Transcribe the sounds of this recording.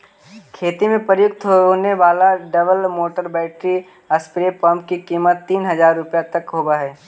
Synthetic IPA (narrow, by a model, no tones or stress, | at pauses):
kʰeːt̪imẽpɾəjʊk̚t̪ɦooːneʋaːlaɖɐbəlmoːʈəɾbɛːʈɾi | əspɾepəmpkikiːmət̪ːiːnɦɐzaːɾːʊpjat̪ɐkɦoːbaɦɛː